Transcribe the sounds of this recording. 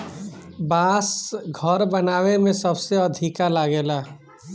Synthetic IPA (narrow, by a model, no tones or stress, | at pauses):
baːsɡʱəɾbənaːwemẽsəbseəd̪ʱikalaɡeːlaː